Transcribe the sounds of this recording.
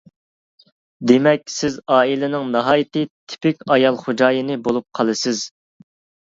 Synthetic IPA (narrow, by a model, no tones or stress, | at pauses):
d̪emɛkʲsɪzɑːilɪnɪŋnɑɦɑːjit̪ɨt̪ʰɪ̥pɪkʲɑjɑlˠχod͡ʒɑːjinɨbolˠup̚qʰɑlˠɨsɪz̥